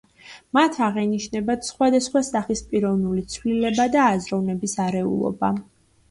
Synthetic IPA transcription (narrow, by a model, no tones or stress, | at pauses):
mat̪ʰaʁɛniʃnɛbat̪ʰsχwad̪asχwasaχispʼiɾɔvnulit̪sʰvlilɛbad̪aːzɾɔvnɛbisaɾɛṵlˠɔ̰ba